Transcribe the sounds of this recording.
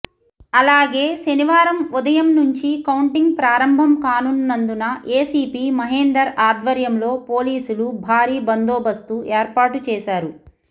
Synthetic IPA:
ɐlaːɡe̞ːʃɐniʋaːɾɐmud̪ɐjɐmnuɲt͡ʃikɐwɳʈiŋɡ̚pɾaːɾɐmbʱɐmkaːnunːɐnd̪unɐʔeːsiːpiːmɐɦeːnd̪ɐɾaːd̪ʋɐɾjɐmlo̞ːpo̞ːliːsulubʱaːɾiːbɐnd̪oːbɐst̪uʔeːɾpaːʈut͡ʃɛːʃaːɾu

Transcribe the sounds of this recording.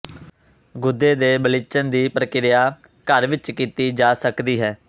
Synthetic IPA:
ɡʊd̪ːeːd̪eːbəlɪt͡ʃənd̪iːpɾəkɪɾɪjaː | kəɾʋɪt͡ʃkiːt̪iːd͡ʒaːsəkd̪iːɦɛː

